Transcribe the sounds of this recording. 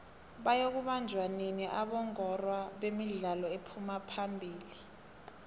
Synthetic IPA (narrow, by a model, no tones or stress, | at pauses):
ɓajok̬uɓand͡ʒʱwaneniʔaɓɔŋɔrwaɓemiɮalɔepʰumapʰambʱiːli